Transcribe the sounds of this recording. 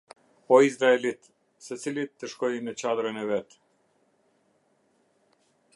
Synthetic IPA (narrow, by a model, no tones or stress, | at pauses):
ɔizɾaɛlit̪ | sɛsilit̪ːəʃkɔjinɛt͡ɕad̪ɾɔnɛvɛt̪